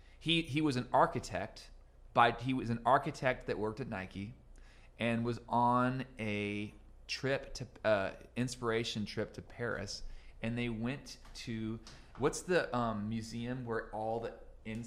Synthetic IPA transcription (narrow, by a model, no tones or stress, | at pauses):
hiiwʌzɨ̃n̩ɑɹkɨtʰɛ̰k̚t̚ | b̥aɪiwʌzɨ̃n̩ɑɹkɨtʰɛk̚t̪̚ðɨʔ̚wɜ˞k̚tɨtⁿnaɪki | ʔɨ̃nwʌz̃nɨ | tʰɹ̥ɪptʰɨʌɪ̃nspə˞eɪʃɨ̃ntʰɹ̥ɪp̚tʰɨpʰɛɹɨ̰sɨ̃nðeɪwɛ̃ntʰɨ | wʌtsðɨʔʌ̃mːjʉziɨ̃mwə˞ɔlˠðiɪ̃n